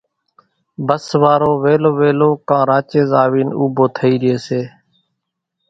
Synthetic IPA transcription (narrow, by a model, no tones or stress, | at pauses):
bəsʋaːɾoːʋeːloːʋeːloːkãːɾaːt͡ʃeːzaːʋiːnṵːboːt̪ʰəiːɾɪeːseː